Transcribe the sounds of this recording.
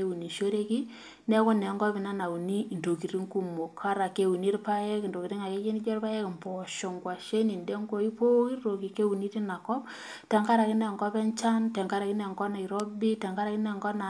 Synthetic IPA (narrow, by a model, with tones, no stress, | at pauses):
e˦u˨ni˨ʃo˦ɾe˦ki˦ | nɛ˦kɔ˦nɛ˨ŋɡɔ˦pi˨na˦na˨u˨ni˦˨nto˨ki˨ri˦ŋku˨mo˨kʰːa˦ɾa˨ke˨˦wu˨ni˦rpa˦jɛ˦kndo˨ki˨ɾi˦ŋa˨ke˦ke˦ni˦d͡ʒɔ˦rpa˦jɛ˦kmpɔ˨ʃo˨ŋɡwa˨ʃe˦ni˨nde˦ŋɡo˦i˦po˦wi˦rro˨ki˨ke˦u˨ni˦ti˦na˨kɔ˦p̚ | tɛ˨ŋɡa˦ɾa˨ki˦nɛ˨ŋɡɔ˦pɛ˦nt͡ʃa˦ntɛ˨ŋɡa˦ɾa˨ki˦nɛ˨ŋɡɔ˦na˨i˨ɾɔ˦bi˦tɛ˨ŋɡa˦ɾa˨ki˦nɛ˨ŋɡɔ˦na˨